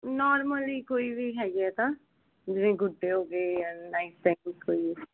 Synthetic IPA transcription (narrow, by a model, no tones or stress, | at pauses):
nɔːɾməliːkoːiːʋiːɦɛːɡɛːt̪ãː | d͡ʒɪnẽːɡʊɖːeːɦoːɡeːanaist̪ɛ̃ŋskoːiː